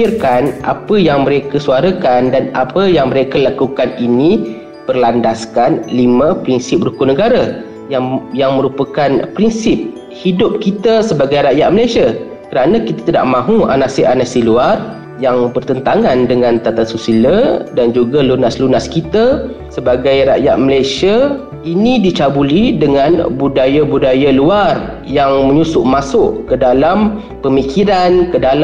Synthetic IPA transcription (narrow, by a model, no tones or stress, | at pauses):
irkanʔa̰pəjaŋmə̃ɾekasuaɾakandana̰pəjaŋmə̃ɾekəlakukaninĩ | pərlandaskanlimãpɾinsɪp̚rukʊnəɡaɾa | jajaŋmə̃ɾupakanpɾinsɪp̚ | hidʊp̚kit̪asəbaɡajɾajat̚məlajsia | kəɾanə̃kit̪ḁt̪ida̰ʔmãɦũa̰nasiʔanasiluar | jaŋbərt̪ənt̪aŋandəŋãnt̪at̪asusilədand͡ʒuɡalunaslunaskit̪a | səbaɡajɾa̰ʔjat̪̚məlajsia | inĩdit͡ʃabulidəŋanbudajabudajaluar | jaŋməɲusʊʔmasʊʔkədalam | pəmikʰiɾankədal